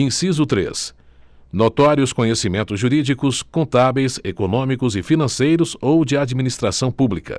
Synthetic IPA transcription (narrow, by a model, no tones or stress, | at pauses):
ẽsizʊt̪ɾḛs | not̪ɔɾjʊskõɲesimẽnt̪ʊzʒuɾid͡ʒikʊskõt̪avejsekonõmikʊzɪfinɐ̃sejɾʊzowd͡ʒɪad͡ʒiminist̪ɾasɐ̃w̃publikɐ̰